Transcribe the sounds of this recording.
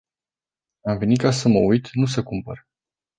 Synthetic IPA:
amve̞nikasəməujt̪nus̬əkumpə̰ɾ

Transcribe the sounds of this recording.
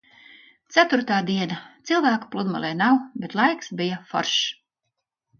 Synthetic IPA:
t̪sæt̪uɾt̪aːd̪iɛnat̪silˠvæːku̥plˠud̪ma̰lˠɛjnawbet̪lˠajksbijafɔ̰ɾʃ

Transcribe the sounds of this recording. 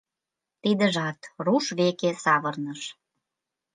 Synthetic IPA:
t̪id̪ə̆ʒɑt̪ruʃβekesɑβərnəʃ

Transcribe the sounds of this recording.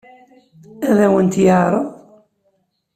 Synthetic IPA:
æðæwənt̪jəɾˤəðˤ

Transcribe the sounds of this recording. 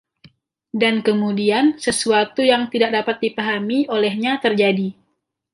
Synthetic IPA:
dankəmudiansəsuat̪ujaŋt̪idak̚dapat̪̚dipaɦamiʔolɛhɲat̪ərd͡ʒadi

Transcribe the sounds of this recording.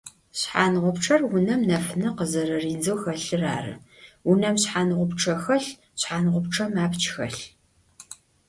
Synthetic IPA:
ɕħaːnʁʷʊpʈ͡ʂʰɐrwʊnɐmnɐfnɨqəzɐɾɐriːnd͡zɨwxɐɬɨra̰ːrɨ̰wʊnɐmɕħaːnɨʁʷʊpʈ͡ʂʰɐxɐɬ | ɕħaːnʁʷʊpʈ͡ʂʰɐmaːpt͡ʃʰxɐ̰ɬ

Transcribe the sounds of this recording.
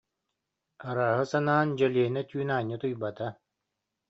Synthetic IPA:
aɾaːɦɯsanaːnd͡ʑɛliɛnɛt̪yːnaːɲːɯt̪ujbat̪a

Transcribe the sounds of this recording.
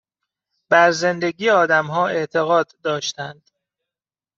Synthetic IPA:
b̥æɾze̞nd̪e̞ɡiːeɒːd̪æmɦɒːe̞ʔt̪ʰe̞ɣɒːd̪ːɒːʃt̪ænd̪̥

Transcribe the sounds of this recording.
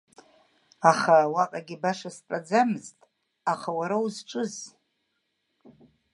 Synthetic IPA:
aχawaqʼaɡʲibaʂaspʼad͡zamɨztʼ | aχawaɾauzʈ͡ʂʼɨz

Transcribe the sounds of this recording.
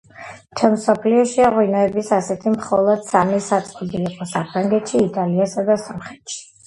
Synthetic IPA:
t͡ʃʰɛnmsɔpʰliɔʃiaʁwinaɛbisasɛt̪ʰimχɔlˠɔd̪̥samisat̪sʼqʼɔb̪iːqʼɔsapʰɾaŋɡɛt̪ʃiːt̪ʼaliasad̪asɔmχɛt̪ʃi̥

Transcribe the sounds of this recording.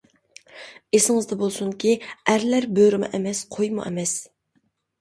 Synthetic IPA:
esɪŋɨzd̪ɛbolˠsuŋkʲiæɾlæɾbøɾɪmɛ̰ʔɛmɛsqʰojmṵʔɛ̰mɛs

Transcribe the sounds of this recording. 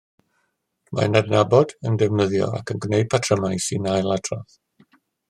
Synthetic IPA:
ma̰nadnabɔdəndɛvnəðjɔ̰a̰kʰənɡnejd̚pʰatʰrəmajsinajlˠatʰrɔθ

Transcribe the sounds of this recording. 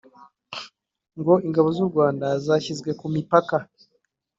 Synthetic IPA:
ŋɡo̞iŋɡaβo̞zuɾɡwaːndazaçizɡwe̞kumipaka

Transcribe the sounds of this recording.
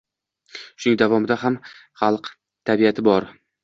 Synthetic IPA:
ʊʃʊnɪŋd̪avɒmɪd̪aɦamχalˠq | t̪ʰabiat̪ʰɪbɒɾ

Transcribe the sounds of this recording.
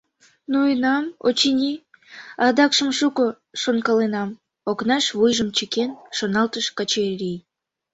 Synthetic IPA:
nujənɑmo̰t͡ɕinʲi | ɑd̪ɑkʃəmʃuko | ʃonkɑlenɑm | oknɑʃβujʒəmt͡ɕəkenʃonɑlt̪əʃkɑt͡ɕeɾʲij

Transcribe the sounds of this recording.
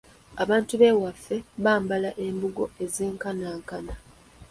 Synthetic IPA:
aβaːntuβe̞ːwafːe̞βaːmbalaʔe̞mbuɡo̞e̞zeːŋkanaːŋkana

